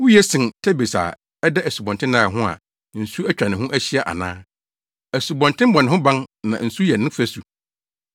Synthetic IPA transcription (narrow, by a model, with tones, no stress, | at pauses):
wu˦jɛ˦sɪ̃˨ntʰɛ˦be˨sa̰˨ | ɛ˦dɛ˦æ˨su˨bɔ̃˨ntʰɪ̃˦nãː˦˨ɦʊ̃˦a̰˨ | n̩˨su˦æ˦t͡ɕᶣɾa˨nɪ̃˨ɦʊ̃˦ʔæ˦ɕi˦ɛ˨ʔa̰˨nã̰ː˦ | æ˨su˨bɔ̃˨ntɪ̃˦m˦bɔ̃˨nɪ̃˨ɦʊ̃˦bã˦nnã̰˨n̩˨su˦jɛ˨nɪ̃˦fæ˦su˨